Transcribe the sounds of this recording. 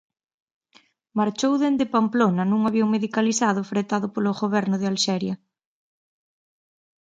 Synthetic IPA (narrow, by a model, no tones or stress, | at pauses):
maɾt͡ʃowðend̪epamplonɐnuŋaβjoŋmeðikalisaðʊfɾet̪aðʊpoloɣoβɛɾnʊðɪalʃɛɾjɐ